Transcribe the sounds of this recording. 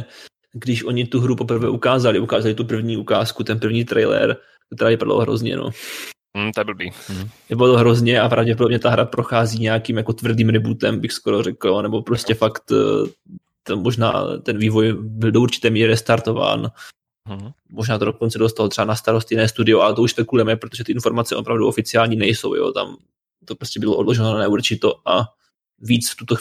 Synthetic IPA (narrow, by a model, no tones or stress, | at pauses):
ɡdɪʃʔo̞ɲɪt̪uɦɾupo̞pr̩vɛ̰ːʔukaːzalɪʔukaːzalɪt̪up̬r̩vɲiːukaːskut̪ɛnpr̩vɲiːt̪ɾɛ̰jlɛ̰ɾ | kt̪ɛɾaːvɪpada̰lo̰ɦɾo̞̰zɲɛ̰no̰ | m̩t̪oɛbl̩bivɪpadaloɦɾo̞zɲɛapɾavɟɛp̬odobɲɛt̪aɦɾapɾo̞xaːziːɲɛakiːmjako̞t̪vr̩diːmɾɪbuːt̪ɛmbɪxskoɾo̞rɛklanɛbo̞pɾo̞scɛfakt̪ | t̪ammo̞ʒna̰ːt̪ɛnviːvo̞jbɪldouɾt͡ʃɪ̥t̪ɛːmiːɾɪɾɪst̪aɾt̪o̞va̰ːn | mo̞ʒnaːt̪odoko̞nt͡sɛdo̞st̪alot̪r̥ɛbanast̪aɾost̪jɪnɛːst̪udɪoʔalɛt̪o̞uʃt̪ɛkulɛmɛpɾot̪oʒɛt̪ɪɪnfo̞ɾmat͡sɛʔo̞pɾavduʔo̞fɪt͡sɪaːlɲiːnɛjso̞̰wjo̰ːt̪a̰m | t̪opɾoscɛbɪloʔodlo̞ʒɛnnanɛuɾt͡ʃɪt̪o̞ʔa | viːt͡sft̪ut̪o